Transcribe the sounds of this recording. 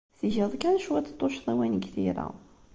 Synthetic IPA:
θiʝəðˤkænʃwæt̪ːt̪ˤːʊʃðˤæwænɡθiɾæ̰

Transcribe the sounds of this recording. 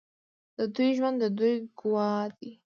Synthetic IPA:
d̪̥əd̪ujʒwand̪əd̪ujɡʊwɑd̪i

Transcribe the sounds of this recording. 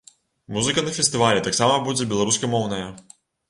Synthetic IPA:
muzɨkɐnɐfʲɛst̪ɨvalʲɛt̪aksamɐbud͡zʲɛbʲɛlˠaɾuskɐmɔwnɐjɐ

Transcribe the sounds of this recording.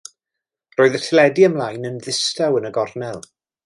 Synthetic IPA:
roːɨðətʰɪlɛdiəmlˠaːjnənðɪstawənəɡɔrnɛlˠ

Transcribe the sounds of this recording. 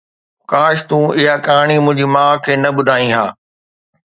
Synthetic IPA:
kaːʃt̪ũːɪɦakaːɽ̃imʊ̃ɦɪ̃ɲd͡ʑiːmãːkʰeːnɐbʊd̪ʱaːĩɦaː

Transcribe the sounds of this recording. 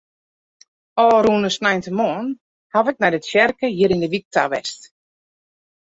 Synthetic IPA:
ɔːɾuːnəsnajntəmɔːn | havɪk̚nɛjdətʃjɛrkəjiɾindəʋik̚taʋɛst

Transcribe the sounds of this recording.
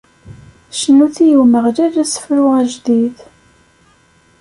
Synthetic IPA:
ʃənːuθijəwməʁɾæɾæsə̥fɾʊʁæʒd̪ið

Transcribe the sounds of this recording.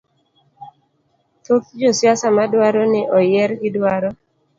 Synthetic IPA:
t̪okd͡ʒosjasamadwaɾɔnɛʔɔjɛɾɡɪdwaɾɔ

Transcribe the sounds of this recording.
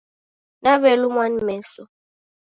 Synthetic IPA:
naβɛlumwanimɛn̩sɔ

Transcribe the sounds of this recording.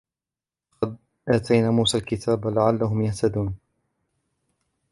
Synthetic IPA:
ɑqɑd̪̚ | ʔaːt̪ʰajnaːmuːsaːlkɪt̪ʰaːblaʕalːaɦʊmjaht̪ad̪uːn

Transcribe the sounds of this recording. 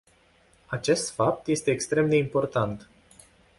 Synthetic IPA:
at͡ʃe̞st̪fap̚t̪je̞st̪e̞ːkst̪ɾe̞md̪e̞impo̞rt̪ant̪

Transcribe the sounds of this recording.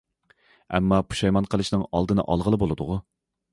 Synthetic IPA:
ɛ̰mːɑpʰu̥ʃɑjmɑnqʰəlˠɨʃnɨŋɑ̰lˠd̪ɨnɨ̰ʔɑlˠʁəlˠɨbolˠɨd̪ʊʁʊ

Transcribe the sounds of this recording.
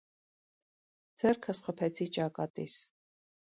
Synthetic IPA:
d͡zɛɾkʰəsχəpʰɛt͡sʰit͡ʃʼɑkʼɑt̪ʼḭs

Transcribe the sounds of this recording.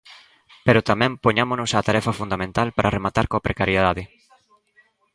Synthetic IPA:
peɾot̪amɛ̃mpoɲamonʊsat̪aɾɛfɐfund̪amẽnt̪alpaɾʔaremat̪aɾkoapɾʔekaɾjeðaðɪ

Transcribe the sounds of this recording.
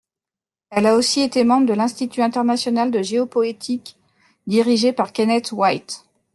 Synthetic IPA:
ɛlaosiet̪emɑ̃bʁəd̪əlɛ̃st̪it̪yɛ̃t̪ɛʁnasjɔnald̪əʒeɔpɔet̪ʰik | d̪iʁiʒepaʁkanɛt̪wajt̪

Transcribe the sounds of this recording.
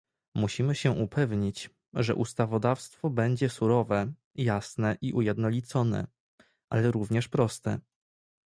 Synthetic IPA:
muɕimɘɕɛʔupʰɛvɲit͡ɕ | ʐɛ̰ʔust̪avɔd̪afst̪fɔbɛɲd͡ʑɛsuɾɔvɛ | jasnɛʔiʔujɛd̪nɔlʲit̪sɔnɛ̰ | ʔalɛɾuvɲɛʂpɾɔst̪ɛ̰

